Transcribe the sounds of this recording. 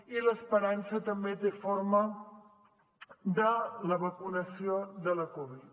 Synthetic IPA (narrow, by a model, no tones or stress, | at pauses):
iləspəɾansət̪əmbet̪efoɾmə | d̪ələβəkunəsioðələkɔβ̞it̪